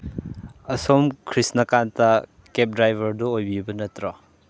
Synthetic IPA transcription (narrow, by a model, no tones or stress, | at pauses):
ɐsomkʰɾisnɐkantɐ | kep̚dɾajbʱɐɾdɔojbijubɐnɐtɾɔ